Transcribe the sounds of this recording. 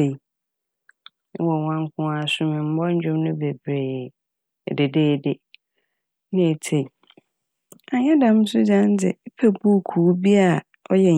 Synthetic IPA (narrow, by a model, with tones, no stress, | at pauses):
e˨˦ | wɔ˨wã˦ŋ˦kʰʊ̃˦a˦sʊ̃˦mɪ̃˨m̩˦bɔ˦ɲ̩˦d͡ʑᶣʊ̃˦mnʊ̃˦be˨bɾe˨jɛ˨ | de˨deː˦˨dɪ˦ | nɪ̃˦e˨tʰe˨i˨ | a˨ɲɛ˦dã˨˦m̩˦sʊ˦d͡ʑã˦n˦d͡zɪ̰˨˦pʰe˨bu˦˨kʰu˨˦bi˦a˦˨ | ɔ˦jɛ˨